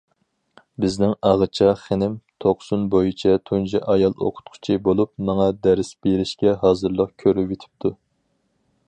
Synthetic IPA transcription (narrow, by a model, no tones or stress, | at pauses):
bɪznɪŋɑʁət͡ʃʰɑχenɪmt̪ʰoqsunbojit͡ʃʰɛt̪ʰund͡ʒɛʔɑjɑlˠo̰qʰʊ̥t̪̚qʰʊ̥t͡ʃʰibolˠupmɑŋɑd̪æɾɪsb̥eɾɪʃkʲɛɦɑːzɨɾlˠəqkʲʰøɾyet̪ʰɪ̥p̚t̪ʰu